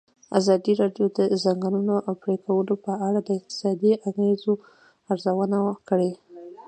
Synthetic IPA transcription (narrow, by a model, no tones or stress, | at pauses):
a̰zɑd̪iɾɑɖjod̪əzaŋɡanunoʔpɽekʰawəlopəaɽad̪əɪq̚t̪ɪ̥sɑd̪iʔaɣezo | aɾzawənawkəɽe